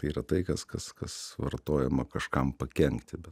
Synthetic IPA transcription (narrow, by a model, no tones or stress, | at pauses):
t̪ɐɪiːɾɐt̪ɐɪkɐskɐskɐsʋɐrt̪oːjɛmɐkɐʃkɐmpɐkʲɛŋkt̪ʲɪbʲɛt